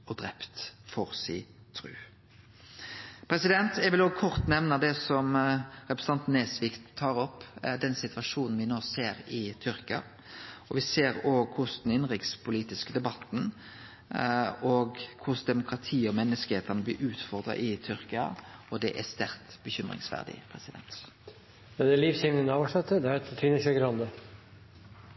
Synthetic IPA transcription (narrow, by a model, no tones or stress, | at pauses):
ɔd̪ɾɛpt̪fɔʁsiː | t̪ʰɾʉ̰ː | pʰɾɛsɪd̪ɛnt̪ɛʋɪloːɡkʰɔʁt̪nɛʋnɑd̪ɛsɔmɾɛpɾəs̩n̩ʰɑnt̪nɛsʋikt̪ʰːɑːɾɔpːd̪ɛnsɪt̪ʋɑʂuːnn̩ʋɪnoːseːɾɪt̪ʰʏɾkɪɑ̰ | ɔʋɪseːɾoːɡkʰʊsd̪ɛnɪnʁɪkt̪spʰʊliːt̪ɪskəd̪ɛbɑt̪ːn̩ | ɔɡkʰʊsd̪ɛmʊkɾɑt̪ʰiːɔmɛnːəskəheːt̪ʰəʁnəblɪʔʉːt̪fɔʁd̪ɾɑ̰ʔɪt̪ʰʏɾkɪɑ̰ɔd̪ɛʔæst̪æɾt̪bəçʏmʁɪ̰ŋsʋæ̰ʁd̪ɪ̰pʰɾɛsɪd̪ɛ̰nt̪ | jɑd̪ɛæliːʋsɪŋnənɑːʋɑʂɛt̪ːəd̪ɛæɾɛt̪t̪ʰiːnəʃəɡɾɑnd̪ə